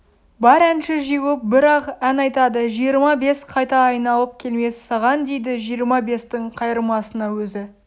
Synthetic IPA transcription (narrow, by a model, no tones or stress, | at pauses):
bɑɾænʃɪʒiɡup̚bɪɾɑqænɑjt̪ɑd̪əʒijəɾmɑbe̞sqʰɑjt̪ɑːjnɑlˠəp̚kʲʰe̞lme̞sːɑʁɑnd̪e̞jd̪ɪʒijəɾmɑbe̞st̪ɪɴqʰɑjɾəmɑsənɑwɵzɪ